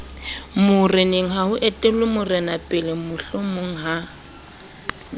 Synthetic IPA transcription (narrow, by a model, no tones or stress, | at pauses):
mʊrɪneŋ̩ɦaɦʊʔetʼɪlʊmʊrɪnapʼɪlɪmʊɬʊmʊŋ̩ɦa